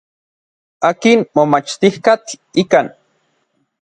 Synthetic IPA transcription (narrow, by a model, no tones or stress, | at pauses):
aːkinmomat͡ʃt̪ihkat̪ikan